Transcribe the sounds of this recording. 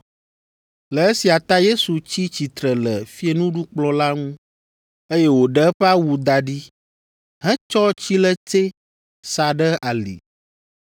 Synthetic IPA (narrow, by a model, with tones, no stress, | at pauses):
lə˨e˦si˨a˨t̪a˦je˦su˨t͡ɕi˦t͡ɕi˨t̪ɾə˨lə˨fi˦e˨nũ˦ɖu˦k͡plɔ˦la˦ŋũ˦ | e˦je˦wo˨ɖə˦ɸɛ˦a˦wu˨d̪a˨ɖi˦ | ɦɛ̃˦t͡ʃɔ˦t͡ɕi˦lə˦t̪e˦ | sa˨ɖə˦a˨lḭ˨